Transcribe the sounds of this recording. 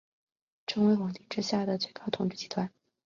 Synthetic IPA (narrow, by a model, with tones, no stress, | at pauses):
ʈ͡ʂʰɤ˧˥ŋwe˧˥ɪxwɑ˨˩ŋt̪i˥˩ʈ͡ʂɻ̩˥ɕja˥˩d̪ə˩t͡swe˥˩kʰɑ˥ʊt̪ʰʊ˨˧˩ŋʈ͡ʂɻ̩˥˩t͡ɕi˧˥t̪ʰwa˧˥n